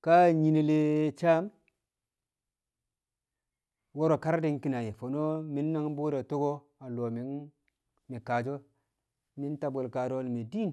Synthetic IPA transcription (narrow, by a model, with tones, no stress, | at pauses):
ka˦ɲi˨ne˨le˨t͡ʃa˦m | wo˦ɾo˨ka˦ɾde˦ŋki˦na˨je˨fo˨no˦mi˦nːa˦ŋ˦bo˦ɾa˨to˦ɡo˦ | a˨lo˨mi˨n | mi˨ka˨d͡ʒo˦ | mi˦n˦ta˨bo˨lka˨ɾo˦lmi˨di˦n